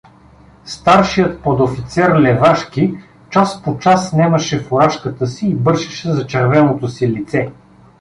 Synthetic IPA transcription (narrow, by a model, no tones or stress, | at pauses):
st̪aɾʃijət̪̚pod̪ofit̪sɛɾlɛvaʃki | t͡ʃaspot͡ʃasːnɛməʃɛfoɾaʃkət̪əsiːbɤɾʃɛʃɛzɐt͡ʃɛɾvɛnot̪osilit̪sɛ